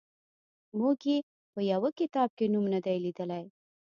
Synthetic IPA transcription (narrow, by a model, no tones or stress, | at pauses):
muɡje | pəjawəkɪt̪ɑb̚kenumnad̪ajlid̪əlaj